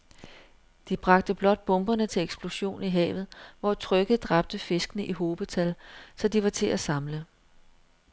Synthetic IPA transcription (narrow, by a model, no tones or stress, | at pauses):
d̥ib̥ʁɑ̈ɡ̥̚d̥əb̥lɒ̽d̥̚b̥ɔ̽mb̥ɐnət͡sʰe̝leɡ̥sb̥lo̝ɕo̝̰ːniɦɛ̰ːʋð̞̩ˠʋɒt͡sʰʁœɡ̥ð̩ˠd̥ʁɑ̈b̥̚d̥əfe̝sɡ̥ənəʔiɦo̝ːb̥ət͡sʰælsɒ̽d̥iʋɑ̈t͡sʰe̝ʔæsɑ̈mlə